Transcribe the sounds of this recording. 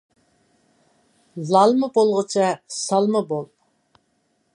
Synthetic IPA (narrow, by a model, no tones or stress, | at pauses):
lɑlˠmɨbolˠʁət͡ʃʰɑsɑlˠməbolˠ